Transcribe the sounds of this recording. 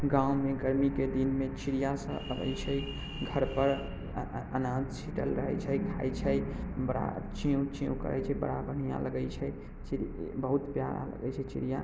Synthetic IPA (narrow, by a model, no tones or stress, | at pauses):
ɡãwmeɡəɾmiked̪inmet͡ʃiɾijasə̃ʔəbə̰jt͡ʃʰɛ | ɡʱəɾpəɾ | ənãd̪sʰiʈəlɾəɦɛt͡ʃʰɛjkʰa̰jt͡ʃʰɛjbəɽa̰t͡ʃiũt͡ʃĩũkə̰ɾɛ̰jt͡ʃʰɛbə̰ɽabʱəɽ̤ija̰ləɡəjt͡ʃʰɛ | t͡ʃiɾbəɦut̪pjaɾa̰lə̰ɡɛjt͡ʃʰɛt͡ʃḭɾija